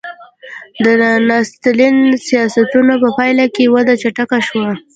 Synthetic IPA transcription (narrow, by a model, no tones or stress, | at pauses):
d̪ənɑst̪linsijɑsat̪unapəpɑjlakewad̪at͡ʃaʈakaʃwa